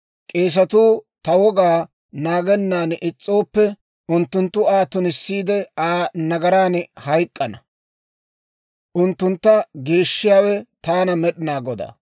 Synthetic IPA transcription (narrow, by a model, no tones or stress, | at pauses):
kʼe̞ːs̬ɐt̪uːt̪ɐwɔɡaː | naːɡɛnːaːnʔɪt͡sʼːo̞ːpːɛ | ʊnt̪ːʊnt̪ːʊaːt̪ːʊnɪsːiːd̪ɛaːnɐɡɐɾaːnhɐjkʼːɐnɐ | ʔʊnt̪ːʊnt̪ːɐɡe̞ːʃːɪjaːwɛt̪aːnɐmɛɗɪnaːɡɔd̪ɐ̰